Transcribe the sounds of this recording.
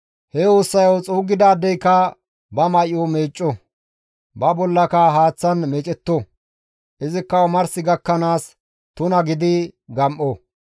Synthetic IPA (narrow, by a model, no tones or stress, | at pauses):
hɛoːsːɐjɐwt͡sʼuːɡɪd̪aːd̪ːɛjkɐ | bɐmɐjɔmeːt͡ʃʼːɔ | bɐbɔlːɐkɐɦaːt͡sːɐnmɛːt͡ʃʼɛt̪ːɔ | ʔɪzɪkːɐmɐɾsɪɡɐkːɐnaːs | t̪ʊnɐɡɪd̪ɪɡɐmʔɔ